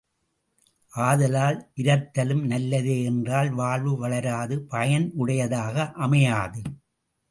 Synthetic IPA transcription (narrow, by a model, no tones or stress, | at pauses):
ʔaːðɐlaːlʔɪɾɐt̪ːɐlɯmnɐlːɐðeːɛndraːlʋaːɭʋɯʋɐɭɐɾaːðɯpɐjɐnʔɯɽɐjɐðaːɣɐʔɐmɐjaːðɯ